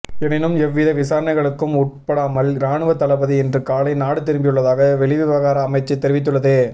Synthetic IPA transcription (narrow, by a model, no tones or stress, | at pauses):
ɛnɪnɯmɛʋːɪðɐʋɪsaːɾɐnɐɪɣɐɭɯkːɯmʊʈ̚pɐɽaːmɐlɾaːɳɯʋɐt̪ːɐlɐbɐðiɛndrɯkaːlɐɪnaːɽɯt̪ɪɾɯmbɪjɯɭːɐðaːɣɐʋɛɭɪʋɪʋɐɣaːɾɐːmɐɪt͡ʃːɐɪt̪ːɛɾɪʋɪt̪̬ːɯɭːɐðeː